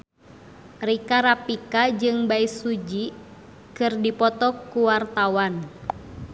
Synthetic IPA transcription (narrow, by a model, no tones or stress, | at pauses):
rikaɾapikad͡ʒɨŋbaisud͡ʒi | kɨrdipɔt̪ɔkuwart̪awan